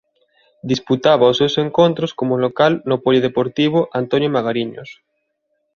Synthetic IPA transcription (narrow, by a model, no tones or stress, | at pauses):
d̪isput̪aβaosewseŋkont̪ɾoskomolokalnopoʎiðepoɾt̪iβ̞oʔant̪onjomaɣaɾiɲo̰s